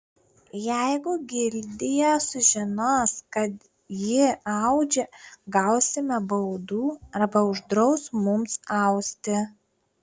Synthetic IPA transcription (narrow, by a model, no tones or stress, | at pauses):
jɛɪɡʊɡʲɪlʲd̪ʲɪjɛsʊʒʲɪnoːskɐt̪ | jɪɐʊd͡ʒʲɛɡɐʊsʲɪmʲɛbɐʊd̪uːɐɾbɐʊʒd̪ɾɒʊsmʊmsɐʊsʲt̪ʲɪ